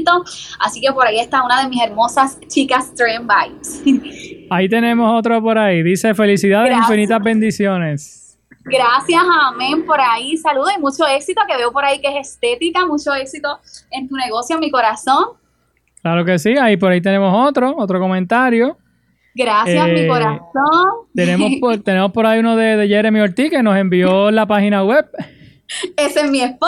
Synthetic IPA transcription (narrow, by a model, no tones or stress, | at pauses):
t̪oasikepo̞ɾaie̞st̪aunaðemise̞ɾmosas | t͡ʃikast̪ɾembajs | ait̪e̞nẽ̞moso̞t̪ɾopo̞ɾaiðisefe̞lisiðaðekĩmfinit̪azbẽ̞nd̪isjo̞ne̞s | ɡɾasjasamẽmpo̞ɾaisaluðoimut͡ʃo̞e̞ksit̪o̞ke̞βeopo̞ɾaikeesest̪e̞t̪ikamut͡ʃo̞e̞ksit̪o̞ent̪uneɣo̞sjomiko̞ɾasõ̞ŋ | klaɾoke̞siaip̬o̞ɾait̪e̞nemo̞so̞t̪ɾo̞ot̪ɾoko̞mẽnt̪aɾjo̞ | ɡɾasjammikoɾasoŋt̪enemospot̪e̞ne̞mospo̞ɾaiunoðeðeʝeɾemioɾt̪ike̞no̞se̞mbio̞lapahinaweb̚ | esezmiespo